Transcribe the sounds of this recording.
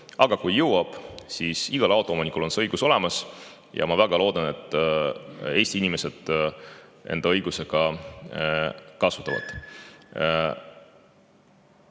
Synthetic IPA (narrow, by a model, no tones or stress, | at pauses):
ɑɡ̥ɑkujːɤwwɑb̥siːsiɡ̥ɑlɑwt̪ˑoomonikːˑulo̞nseɤjɡuso̞le̞mɑs | jɑ̰mɑvæɡɑlo̞ːd̪ɑne̞t̪ˑː | e̞ːsʲt̪iinime̞se̞d̪̥ | ʔe̞̰nd̪ɑɤjɡ̥use̞ɡ̥ɑ | kɑsu̥t̪ːˑɑvɑ̰d̪̥